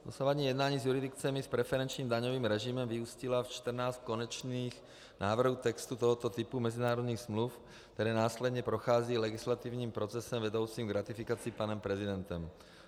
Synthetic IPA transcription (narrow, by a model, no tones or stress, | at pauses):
d̪ɔsaʋaɲiːjɛd̪naːɲiːzjuɾid̪ikt͡sɛmispɾɛfɛɾɛnt͡ʃɲiːmd̪aɲɔviːmɾɛʒimɛmviuscilaft͡ʃt̪r̩naːsckɔɲɛt͡ʃniːx | nʔaːvr̩ɦuːt̪ɛkst̪ut̪ɔɦɔt̪ɔt̪ipumɛzinaːɾɔd̪ɲiːɣz̥mluf | kt̪ɛɾɛːnaːslɛd̪ɲɛpɾɔxaːziːlɛɡislat̪iːvɲiːmpɾɔt͡sɛsɛmvɛd̪ɔʊt͡siːmɡɾat̪ifikat͡siːpanɛmpɾɛzid̪ɛnt̪ɛm